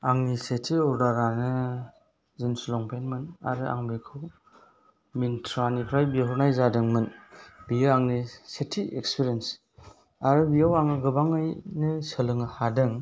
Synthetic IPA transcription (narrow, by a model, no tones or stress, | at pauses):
aŋnisetʰiɔɾdaɾanɯ | zinsulɔŋpʰenmɯna̰ɾɯʔa̰ŋbikʰɯ | mintʰɾanipʰɾajbiɦɔɾnajzadɯŋmɯnbijɯaŋnisetʰiʔekspiɾens | aɾɯbijawaŋɯɡɯbaŋɯjnɯsəlɯŋɯhadɯŋ